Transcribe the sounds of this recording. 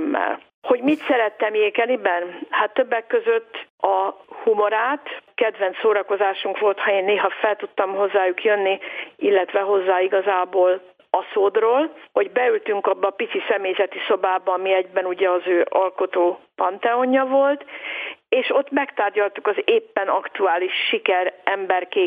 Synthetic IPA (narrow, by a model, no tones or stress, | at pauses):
mːɛ̰l | ho̞ɟmit̪sɛɾɛt̪ːɛmjeːkɛnibɛnhat̪ːøbːɛkːø̞zø̞t̪ːɒhumo̞ɾaːt̪kɛd̪ʋɛnt̪soːɾɒko̞zaːʃuŋkʋo̞lt̪hɒeːnːeːɦɒfɛlt̪ut̪ːɒmho̞zːaːjukjø̞nːiilːɛt̪ʋɛɦo̞zːaːiɡɒzaːboːl | ɒsoːd̪roːlho̞ɟbɛylt̪yŋkɒbːɒːpit̪sisɛmeːjzɛt̪iso̞baːbɒːmiɛɟbɛnuɟɛɒzøːʔɒlko̞t̪oːpɒnt̪ɛoɲːɒvo̞lt̪eːʃo̞t̪ːmɛkt̪aːrɟɒlt̪ukɒzeːpːɛnɒkt̪uaːliʃːikɛɾɛmbɛrkeː